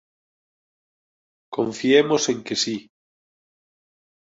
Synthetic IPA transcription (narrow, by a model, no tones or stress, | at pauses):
kõ̰ɱfiemose̞ŋkesi